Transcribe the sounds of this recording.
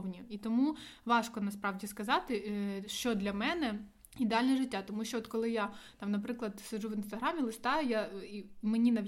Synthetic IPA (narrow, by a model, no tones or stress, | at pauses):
wnʲiit̪ɔmuʋɑʂkɔnɐspɾɑʋdʲiskɐzɑt̪ɪʃt͡ʃɔd̪lʲɐmɛnɛ | id̪eɑlʲnɛʐɪtʲːat̪ɔmuʃt͡ʃɔɔt̪kɔlˠɪjat̪ɑmnɐpɾɪklˠɐd̪sɐʒuʋɪnst̪ɐɦɾɑmʲilˠɪst̪ɑjʊjaimenʲinɐ